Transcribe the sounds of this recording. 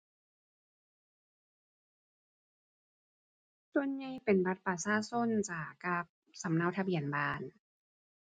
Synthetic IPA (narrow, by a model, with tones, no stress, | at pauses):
su˧ənɲa˧˩jpe˨˩nba˧˥t̪̚paː˨˩saː˧˥so˧˥˨nt͡ɕaː˨˩ka˧˥p̚sa˨˦mna˧˩wt̪ʰa˧bi˨˩ənbaː˧˩n